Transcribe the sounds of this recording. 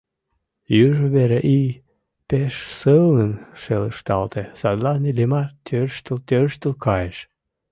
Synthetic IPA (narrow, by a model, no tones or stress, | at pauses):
jyʒəβeɾeʔi | peʃsəlnənʃeləʃt̪ɑ̰lt̪esɑd̪lɑnilemɑt̪ʰørʃt̪əlt̪øɾʃt̪əlkʰɑjeʃ